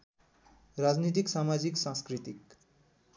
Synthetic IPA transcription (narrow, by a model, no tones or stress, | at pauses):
rad͡znit̪̬iksamad͡ziksãskrit̪ik